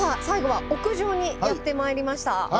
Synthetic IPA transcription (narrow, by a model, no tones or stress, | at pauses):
sasaiɡo̞βao̞kɯ̟ʑo̞ːɲ̟ijat̪ːe̞maeɾʲimaɕi̥t̪a